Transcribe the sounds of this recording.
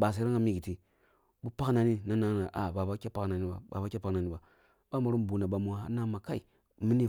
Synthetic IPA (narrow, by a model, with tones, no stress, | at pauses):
ba˨s̬a˨˦ɾi˦ŋa˦mi˦ɡi˨ti˦ | bu˦pa˦kna˨ni˦na˦na˦na˨ʔa̰˨ba˨ba˦kʲa˦pa˦kna˨ni˦ba̰˨ba˨ba˦kʲa˦pa˦kna˨ni˦ba˨ | ba˦ma˨ɾu˦m˨bu˨na˨ba˨mu˨a̰˦na˦ma˨ka˦i˨ | mi˦ni˦